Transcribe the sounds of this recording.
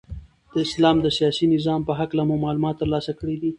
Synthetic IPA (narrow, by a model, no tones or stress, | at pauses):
d̪̥əɪslɑmd̪əsijɑsinɪzɑmpəɦaklamumɑlumɑt̪ːəɾlɑsakəɽid̪i